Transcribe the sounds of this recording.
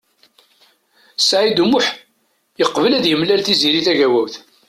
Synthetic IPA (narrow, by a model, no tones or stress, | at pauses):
sʕid̪umʊħ | jəqːvəlæðjəmlælθiziɾiθæʝæwæwθ